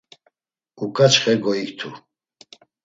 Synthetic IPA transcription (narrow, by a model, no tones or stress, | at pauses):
ukʼat͡ʃχɛɡɔikt̪ʰu